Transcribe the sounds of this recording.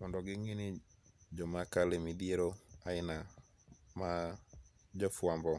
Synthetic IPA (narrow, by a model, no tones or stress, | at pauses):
mɔndɔɡɪŋɪnɪ | d͡ʒɔmakalemid̪ieɾoaɪna | ma | d͡ʒɔfwambɔ